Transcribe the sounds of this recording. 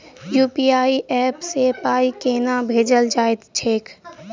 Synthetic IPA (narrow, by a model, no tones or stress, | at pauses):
juːpiːaːiʔɛːpsepaːikeːnãbʱeːd͡ʒəld͡ʒaːɪt̪t͡ʃʰeːk